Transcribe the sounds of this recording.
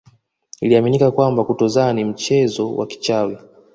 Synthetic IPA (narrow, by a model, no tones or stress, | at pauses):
iliaminikakwambakutɔzanim̩t͡ʃɛzɔwʔa̰ki̥t͡ʃawi